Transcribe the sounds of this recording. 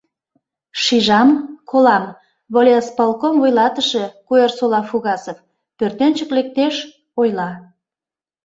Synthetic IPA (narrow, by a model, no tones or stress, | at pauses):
ʃiʒɑmkʰolɑm | βolʲeaspɑlˠkomvojlˠɑt̪əʃə̆kuersolˠɑfuɣɑsof | pørt̪ent͡ɕə̆klek̚t̪eʃ | ojlɑ